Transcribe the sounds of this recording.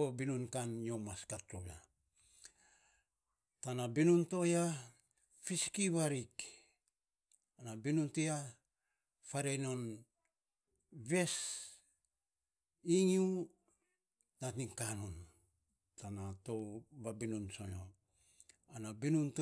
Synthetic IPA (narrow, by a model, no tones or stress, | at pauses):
obinunkanjo̞maskatɾoβa̰ | tanabinunto̞ja | fiskiβaɾik | anabinuntia | faɾeno̞n | βe̞s | iŋu | natiŋkanun | tanato̞βabinunso̰jo̰ | anabinunt